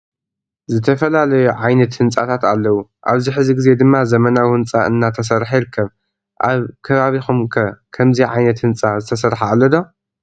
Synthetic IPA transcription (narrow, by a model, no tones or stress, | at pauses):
zɨt̪ʰɐfɐlalɐjuʕajnɐt̪hɨnt͡sʼa̰t̪ʰat̪alːɐwuʔaβziħɨziɡɨze̞d̪ɨmːazɐmɐnawwɨnt͡sʼaʔɨ̰nːat̪ʰɐs̬ɐɾħajɪɾɨkʰːɐβ | ʔaβkʰɐβaβixumkʰɐkʰɐmziʕajnɐt̪hɨnt͡sʼazɨt̪ʰɐs̬ɐɾħaalːɐd̪o